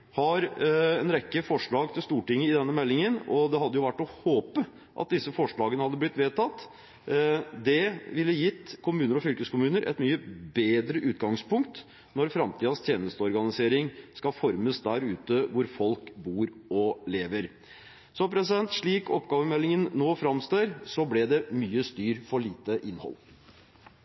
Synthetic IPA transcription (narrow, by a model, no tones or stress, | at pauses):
hɑɾɛnɾɛkːəfɔʂɭɑːɡt̪ʰɪlst̪uːʈɪŋːəɪd̪ɛnːəmɛlːɪŋənɔd̪ɛɦɑd̪ːəjʊʋæʈːɔhoːpə | ʔɑ̰t̪̚d̪ɪsːəfɔʂɭɑːɡənəhɑd̪ːəblɪt̪ːʋeːt̪ʰɑt̪ː | d̪ɛʋɪlːəjɪt̪ːkʰʊmʉːnəɾɔfʏlkəskʊmʉːnəɾʔɛ̰t̪myːəbeːd̪ɾəʔʉːt̪ɡɑŋspʊŋkt̪ | nɔɾfɾɑmt̪ʰiːd̪ɑst̪ʰjeːnəst̪əɔɾɡɑnɪseːɾɪŋskɑfɔɾməsd̪æɾʉːt̪əʋʊɾfɔlkbuːɾɔleːʋəɾ | sɔpʰɾɛsɪd̪ɛnt̪ʂɭiːkɔpɡɑːʋəmɛlːɪŋənnoːfɾɑmst̪øːɾsɔblɛd̪ɛmyːəst̪yːɾfɔɭiːt̪əʔɪnːhɔ̰lː